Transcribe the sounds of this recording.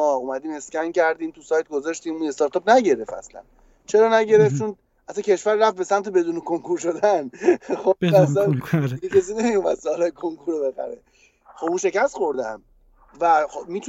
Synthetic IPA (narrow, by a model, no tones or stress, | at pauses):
ɒːumæd̪iːme̞scʲæncʰæɾd̪iːmt̪ʰusɒjt̪̚ɡozɑʃt̪iːmue̞st̪ɒːɾt̪ɒpnæɟeɾe̞fæ̰slæ̰n | t͡ʃʰeɾɒːnæɟe̞ɾeft̪t͡ʃʰon | æt̪ʰːæcʲʰe̞ʃvæɾːæft̪besæmt̪ʰebe̞d̪uːnekʰoŋkuɾʃod̪ænxoæsænd̪iɡecʰes̬iːnemijumæd̪̥sɒːlɒːjekʰoŋkʰuɾobe̞xæ̰ɾḛ | xobunʃe̞cæst̪χo̞ɾd̪æ̰m | væxomiːt̪ʰu